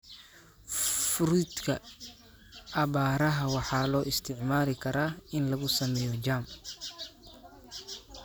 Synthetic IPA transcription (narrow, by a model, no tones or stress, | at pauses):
fʊɾid̪kʰɐ | ɐβaːɾɐɦɐwɑħɑːlɔːʔɪst̪ʰɪʕmaːlɪkʰɐɾaːɪnlɐɣʊsɐmɛːjɔt͡ʃaːm